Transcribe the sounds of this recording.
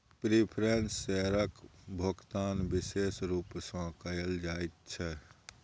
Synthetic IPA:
pɾipʰɾensːɛɾəkbʱokt̪aːnbɪseːsɾuːpsɔ̃kəjəld͡ʒaːit̪̚t͡ʃʰɛ

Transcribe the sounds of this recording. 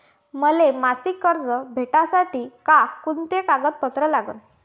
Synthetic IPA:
məlemasikːəɾd͡zəbʱeʈasaʈiːkakunt̪ekaɡət̪̚pət̪ɾəlaɡə̰n

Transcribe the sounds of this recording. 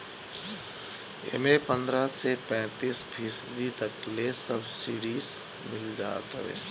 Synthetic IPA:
ḛmepə̃nd̪ɾasepɛ̃ːt̪iːspʰisd̪it̪ɐklesəbsiːɽiːz | mɪld͡ʒa̰ːt̪əḛː

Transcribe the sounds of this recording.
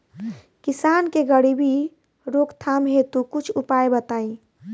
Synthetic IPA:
kisankeɡəɽibi | ɾokt̪ʰamɦẽt̪ukut͡ʃʰupaebət̪aːi

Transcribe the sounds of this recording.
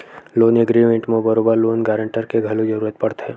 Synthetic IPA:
loːneɡɾimẽɳʈmẽbɐɾoːbəɾloːnɡaːɾə̃ɳʈəɾkeɡʱɐlud͡ʒɐɾuːɾət̪̚pɐɽt̪ɦɛː

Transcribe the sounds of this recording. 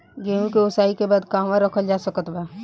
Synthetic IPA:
ɡeũkeʊsaːikebaːd̪kaːmʋãɾəkʰəld͡ʒaːsəkət̪baː

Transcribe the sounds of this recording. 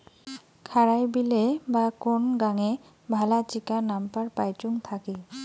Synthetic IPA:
kʰaɾajbilebakonɡaŋe | bʱalat͡ɕikanampaɾpajt͡ʃuŋt̪ʰaki

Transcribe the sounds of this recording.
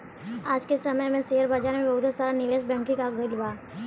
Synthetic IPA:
aːd͡ʒkesɐməjmẽseːəɾbaːd͡ʒaːɾmẽbɐɦʊt̪asaːɾanɪleːsbɛ̃ːŋkĩkaɡʱəila

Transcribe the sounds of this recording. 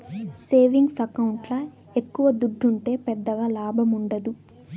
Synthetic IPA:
se̞ːʋiŋɡsɐkɐwuɳʈlɐ | ekːuʋɐd̪uɖʱːuɳʈe̞ːpɛd̪ːɐɡaːlaːbʱɐmuɳɖɐd̪u

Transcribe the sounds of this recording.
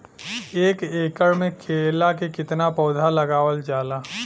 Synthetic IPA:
eːkeːkəɾmẽkʰeːlakekɪt̪napɔːd̪ʱalɐɡaːwəld͡ʒaːlaː

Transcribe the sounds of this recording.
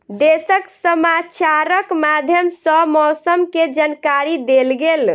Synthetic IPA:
d̪esəksəmat͡ʃaɾəkmad̪ʱjəmsəmɔsəmked͡ʒankaɾid̪elɡel

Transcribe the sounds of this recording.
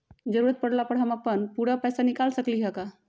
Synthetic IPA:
d͡ʒəɾuɾət̪̚pəɽlapəɾɦəməpənpuɾapɛjsanikalsəkliɦəka

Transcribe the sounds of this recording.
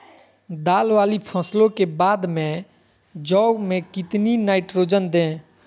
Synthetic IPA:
d̪aːlʋaːlipʰəslõkebaːd̪mẽ | d͡ʒɔːɡmẽkɪt̪ninaːɪʈɾoːd͡ʒənd̪ẽː

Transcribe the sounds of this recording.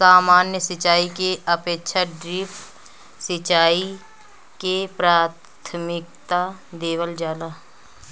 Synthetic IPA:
saːmaːnjəsət͡ʃaːikeəpeːkʃʰaɖɾɪpʰ | sɪt͡ʃaːi | kepɾaːt̪ʰmɪk̚t̪ad̪eːʋəld͡ʒaːlaː

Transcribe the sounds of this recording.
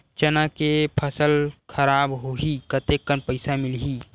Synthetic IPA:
t͡ʃɐnakepʰəsəlkʰəɾaːbɦoɦikət̪ekːənpəɪsamɪlɦiː

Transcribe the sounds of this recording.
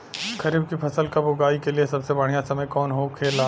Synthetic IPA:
kɐɾiːb̚kipʰɐsəlkabʊɡaːikeliesɐbsebɐɽ̤ijãsɐməjkɔːnɦokʰeːlaː

